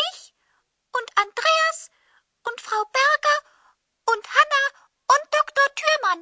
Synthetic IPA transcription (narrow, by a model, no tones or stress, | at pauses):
ɪç | ʔʊntand̥ʁeːas | ʔʊntfʁ̥aʊbɛɐɡɐ | ʔʊnthana | ʔʊnt̚d̥ɔktoɐtʰyːɐman